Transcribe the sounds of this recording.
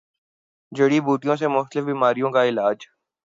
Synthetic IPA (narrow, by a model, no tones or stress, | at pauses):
d͡ʒɐɽibuːʈijõsemʊxt̪əlɪfbiːmaːɾijõkaɪlaːd͡ʒ